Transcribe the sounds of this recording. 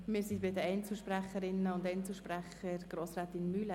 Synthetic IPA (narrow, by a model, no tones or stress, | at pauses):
mɪːɾsibɪdəɛɪnt͡sl̩ʃpræχəɾɪnːəʊntɛɪnt͡sl̩ʃpɾæχəɾɡ̥ɾoːsɾaːt̪ɪnmylə